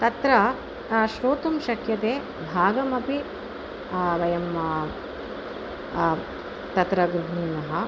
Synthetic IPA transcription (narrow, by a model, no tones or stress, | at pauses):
t̪ɐt̪ɾɐ | ʃɾoːt̪ɐmʃɐkʰjɐt̪eː | bʱaːɡɐmɐpi | ʋɐjɐm | t̪ɐt̪ɾɐɡɾuɦunnɐɦɐ